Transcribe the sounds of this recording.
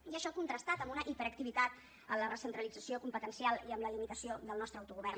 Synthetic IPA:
iəʃɔkunt̪ɾəst̪at̪əmbunəʔipəɾəkt̪iβit̪at̪ | ə̰mlərəsənt̪ɾəlid͡zəsiokumpət̪ənsialˠiəmləlimit̪əsioðəlˠnɔst̪ɾəwt̪uɣuβɛrn

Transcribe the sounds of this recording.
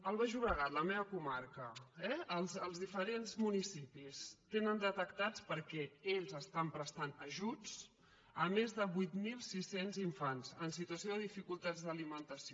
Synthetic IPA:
əlˠβaʒuβɾəɣat̪ləmeβəkumaɾkəɛəlˠzəlˠzðifəɾenzmunisipist̪enənd̪ət̪əkt̪at͡spəɾkɛeʎzəst̪ampɾəst̪anəʒut͡s | əmezðəβujt̪milˠsisenziɱfanzənsit̪uəsioðəðifikulˠt̪ad͡zðəlimənt̪əsio

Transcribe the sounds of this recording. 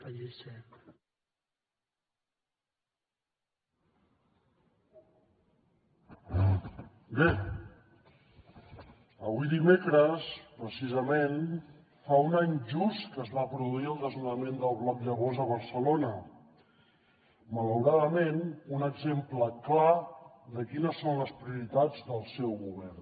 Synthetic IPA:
əʎesɛ | be | əβuiðimekɾəspɾəsizəmen | faunaɲʒust̪kəzβapɾuðuiəlˠd̪əzunəmend̪əlˠβlɔkʎəβ̞ozəβ̞əɾsəlonə | mələwɾaðəmenunəɡzempləkla | d̪əkinəsːonləspɾiuɾit̪ad͡zd̪əlˠsɛwɣuβ̞ɛrn

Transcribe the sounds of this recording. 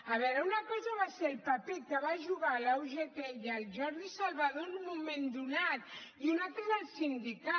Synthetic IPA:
ɐβɛɾəunəkɔzəβaseɾlˠpəpekəβaʒuɣalawʒet̪eəlˠʒɔɾðisalˠβəðonumumẽnd̪unat̪iunalt̪ɾəðəlˠsind̪ika

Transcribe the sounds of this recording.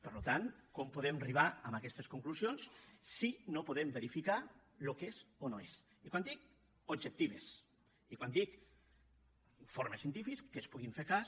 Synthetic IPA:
pəɾlut̪ankompuðemariβaəmakɛst̪eskuŋkluzionsːinopuðembeɾifika | lukezonoes | ikwand̪ik̚ | od͡ʒek̚t̪iβes | ikwand̪ik | foɾmesjənt̪ifiskespuɣiɱfeɾkas

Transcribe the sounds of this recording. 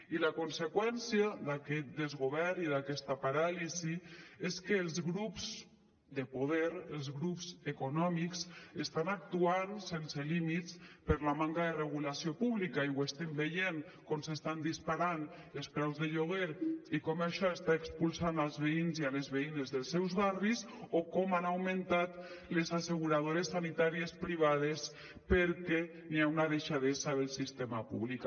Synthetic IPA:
ilakonsekwɛnsiad̪akɛt̪̚d̪ezɣoβ̞ɛɾiðakɛst̪apaɾalizieskəːlˠzɣɾupz | d̪əpoðɛɾelˠzɣɾupzekonɔmiksest̪anak̚t̪uansenselimit̪spəɾlamaŋkaðereɣ̞ulasijopuβlikaiwest̪ɛmbejeŋ | kɔmsest̪and̪ispaɾan | elˠspɾɛwzðeʎoɣeɾikɔmaʃɔest̪aekspulˠsanalˠzβeinzialezβeinezðelˠsɛwzβaris | okɔmanawmẽnt̪at̪ | lezaseɣuɾað̞oɾesːanit̪aɾiespɾiβ̞að̞es | peɾkɛ | niaunað̞eʃaðesaðelˠsist̪emapṵβlik

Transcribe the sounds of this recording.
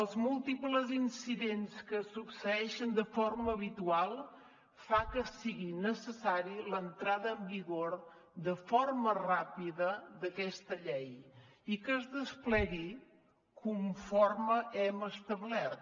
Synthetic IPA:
əlˠzmulˠt̪ipləzinsiðenskəsupsəɛʃənd̪əfoɾməːβit̪ualˠ | fakəsiɣinəsəsaɾilənt̪ɾaðəːmbiɣoɾ | d̪əformərapiðəd̪əkɛst̪əʎɛj | ikəːzðəsplɛɣi | kʰuɱfɔrməʔɛməst̪əβlɛt̪̚

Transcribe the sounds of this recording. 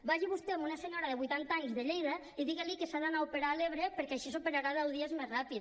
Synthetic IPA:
baʒiβust̪eamunaseɲoɾaðeβujt̪ant̪aɲzðeʎejða | iðiɣalikesaðanaupeɾaːleβ̞ɾepeɾkɛaʃisopeɾaɾaðɛwðiezmezrapit̪

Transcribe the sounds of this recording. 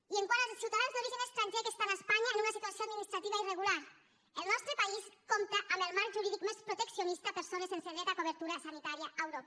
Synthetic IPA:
ieŋkwanasuwt̪aðanzðo̞ɾiʒenest̪ɾant̪ekest̪anaespaɲaenunasit̪uasjoad̪minist̪ɾat̪iβaireɣulaɾ | elnɔst̪ɾepaiskomt̪aʔamelmaɾʒuɾið̞ikmespɾot̪eksjonist̪aːpeɾsonesenseɣeɾakoβ̞eɾt̪uɾasanit̪aɾjaʔawɾop

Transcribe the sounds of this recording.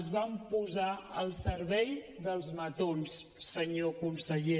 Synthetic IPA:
zβampuzaəlˠsəɾβɛj | ðəlˠzmət̪onsːəɲokunsəʎe

